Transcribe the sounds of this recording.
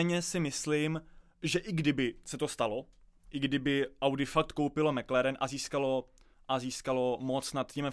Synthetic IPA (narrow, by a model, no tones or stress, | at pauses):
ɲɛsɪmɪslim | ʒɛʔɪɡdɪbɪsɛt̪ost̪alo̞ʔɪɡdɪbɪʔawdɪfak̚t̪kowpɪlo̞mɛklɛɾɛnʔaziːskalo̞ | ʔaziːskalo̞mot͡snat̪cim